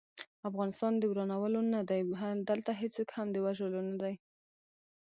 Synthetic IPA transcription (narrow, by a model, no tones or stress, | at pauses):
afɣɑnɪst̪ɑnd̪əɡɾɑnawəlonad̪ajad̪əlt̪aɦet͡səkhamd̪əwaʒəlonad̪aj